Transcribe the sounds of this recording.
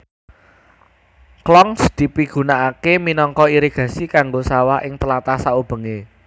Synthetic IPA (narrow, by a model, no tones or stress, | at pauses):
klɔŋsd̪̥i̤piɡ̥ṳnaʔakeminɔŋkɔiɾeɡ̥ä̤sikaŋɡosawaʔɪŋt̪əlat̪asaub̥ə̤ŋe